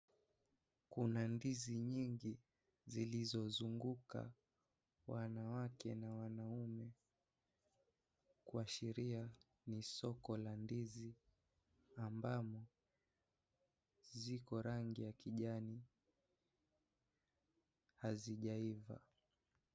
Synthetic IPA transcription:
kunandiziɲiŋɡi | zilizɔzuŋɡuka̰ | wanawakɛnawanaumɛ | kuaʃɛɾia | nisɔkɔlandizi | ambamɔ | zikɔɾaŋɡijakiʄani | haziʄaiva̰

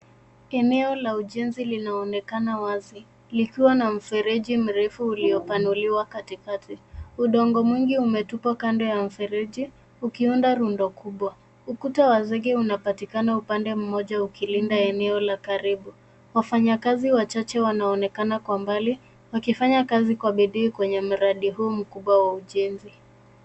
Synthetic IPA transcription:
ɛnɛɔlauʄɛnzilinaɔnɛkanawazi | likiwanam̩fɛɾɛʄim̩ɾɛfuːliɔpanuliwakatikatiuɗɔŋɡɔmwiŋɡiumɛtupakandɔjam̩fɛɾɛʄi | ukiundaɾundɔkʰuɓwa | ukutawazɛɠɛunapatikanaupandɛm̩mɔʄaukilindaɛnɛɔlakaɾiɓu | wafaɲakaziwat͡ʃat͡ʃɛwanaɔnɛkanakwambali | wakifaɲakazikwaɓiɗiːkwɛɲɛm̩ɾaɗiɦuːm̩kuɓwawauʄɛnzi

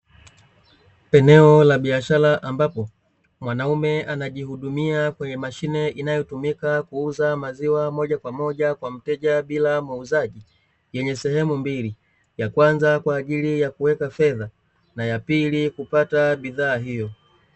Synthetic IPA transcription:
pɛnɛɔlaɓiaʃalaʔambapɔ | mwanaumɛanaʄihuɗumiakwɛɲɛmaʃinɛʔinajɔtumikakuuzamaziwamɔʄakwamɔʄakwam̩tɛʄaɓilamuuzaʄi | jɛɲɛsɛhɛmumbili | jakwanzakwaːʄilijakuwɛkafɛða | najapilikupataɓiðaːɦijɔ

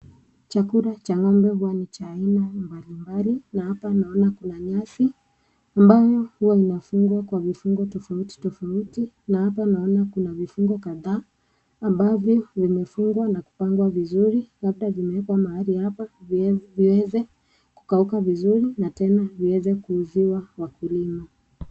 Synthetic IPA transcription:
t͡ʃakuɾat͡ʃaŋɔmbɛhuwanit͡ʃaːinambalimbalinahapanaɔnakunaɲasi | ambajɔhuwainafuŋɡwakwavifuŋɡɔtɔfauti̥tɔfauti | nahapanaɔnakunavifuŋɡɔkaðaː | mbavjɔvimɛfuŋɡwanaku̥paŋɡwavizuɾilab̚ɗavimɛɛkwamahalihapaviwɛzɛ | ku̥kaukavizuɾinatɛnaviwɛzɛkuːziwawakulima

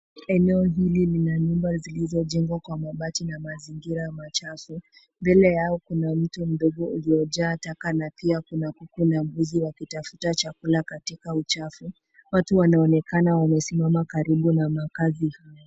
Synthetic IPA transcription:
ɛnɛɔɦililinaɲumbazilizɔʄɛŋɡwakwamaɓatinamaziŋɡiɾajamat͡ʃafu | mbɛlɛjaɔkunam̩tum̩ɗɔɠɔulijɔʄaːtakanapiakunakukunam̩ɡuziwakitafu̥tat͡ʃakulakatikaut͡ʃafu | watuwanaɔnɛkanawamɛsimamakaɾiɓunamakazihajɔ

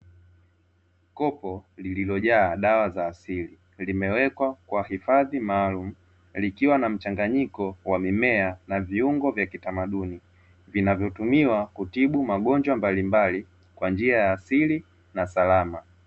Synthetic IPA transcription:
kɔpɔlililɔʄaːɗawazaːsili | limɛwɛkwakwahifaðimaːlum̩ | likiwanam̩t͡ʃaŋɡaɲikɔwamimɛanaviuŋɡɔvjakitamaɗuni | vinavjɔtumiwakutiɓumaɠɔɲd͡ʒwambalimbali | kwand͡ʒiajaːsili | nasalama

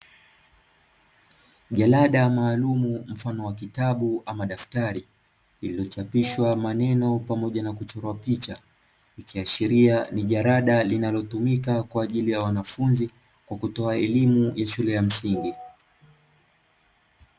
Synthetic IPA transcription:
ʄalaɗamaːlumum̩fanɔwakitaɓuʔamaɗaftaɾi | lililɔt͡ʃapiʃwamanɛnɔpamɔʄanakut͡ʃɔɾɔapit͡ʃa | ikiaʃiɾianiʄaɾaɗalinalɔtumikakwaːʄilijawanafunzi | kwakutɔaɛlimujaʃulɛjam̩siŋɡi

